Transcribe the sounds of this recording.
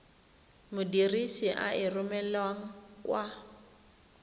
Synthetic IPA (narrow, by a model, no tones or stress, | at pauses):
mʊdirisiʔa̰ʔɪrʊmɛlwaŋ̩kwa